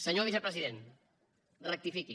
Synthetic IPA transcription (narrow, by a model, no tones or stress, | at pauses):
səɲoβ̞isəpɾəziðen | rək̚t̪ifiki